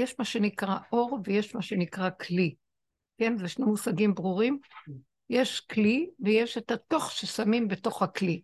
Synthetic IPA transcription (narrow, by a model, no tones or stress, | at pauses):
jeʃmaʃe̞nikʁaʔo̞ʁveje̞ʃmaʃe̞nikʁakli | ke̞nzeʃnemusaɡimbʁuʁim | je̞ʃkliveje̞ʃetato̞χʃesamimbe̞to̞χhakli